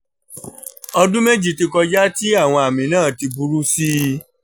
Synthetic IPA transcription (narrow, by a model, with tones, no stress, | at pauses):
ɔ˧dũ˦me˦d͡ʒi˨˧˨ti˧kɔ˧d͡ʒa˦ti˦a˦˨w̃ɔ̃˧a˨mĩ˨nãː˦˨ti˧bu˦ɾu˦si˦